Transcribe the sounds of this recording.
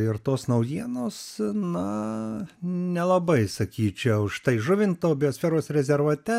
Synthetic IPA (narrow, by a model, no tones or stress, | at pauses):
ɪrt̪oːsnɐʊjiɛnoːsnɐ | nʲɛlˠɐbɐɪsɐkʲiːt͡ʃʲɛʊʃt̪ɐɪʒʊʋʲɪnt̪oːbʲɪjoːsʲfʲɛːɾoːsɾʲɛzʲɛɾʋuːt̪ʲɛ